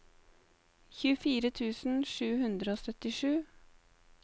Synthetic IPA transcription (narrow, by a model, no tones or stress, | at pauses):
çʉːəfiːɾət̪ʰʉːsn̩ʃʉːhʉnd̪ɾəoːsœt̪ɪʃʉː